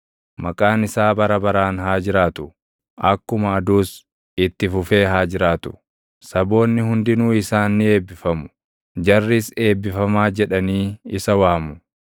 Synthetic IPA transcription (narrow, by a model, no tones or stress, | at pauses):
mɐkʼaːnɪsaːbɐɾɐbɐɾaːnɦaːd͡ʒɪɾaːt̪ʊ̥ | ʔɐkːʊmɐːd̪uːs | ɪt̪ːɪfʊfe̞ːɦaːd͡ʒɪɾaːt̪ʊ̥ | sɐbo̞ːnːɪhʊnd̪ɪnuːɪsaːnːɪe̞ːbːɪfɐmʊ̥ | d͡ʒɐrːɪse̞ːbːɪfɐmaːd͡ʒɛᶑɐniːɪsɐwaːmʊ